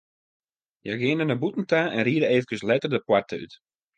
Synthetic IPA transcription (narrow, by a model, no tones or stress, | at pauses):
jaɡɪəndənəbutn̩taɛnriədəeːvəkəslɛtərdəpwartʰəy̰t